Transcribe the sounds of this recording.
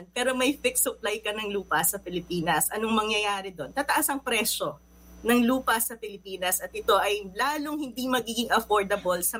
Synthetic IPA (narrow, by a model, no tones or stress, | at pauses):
n̚pɛːɾo̞mɐjfɪk̚sʊplajkɐnɐŋluːpɐsɐpɪlɪpiːnɐsʔɐnoŋmɐŋjɐjaːɾɪd̪o̞nt̪ɐt̪ɐʔasɐŋpɾɛʃo̞ | nɐŋluːpɐsɐpɪlɪpiːnɐsɐt̪̚ʔɪt̪o̞ʔɐjlaːlo̞ŋhɪnd̪imɐɡiːɡɪŋʔɐfoɹd̪ɐbolsɐ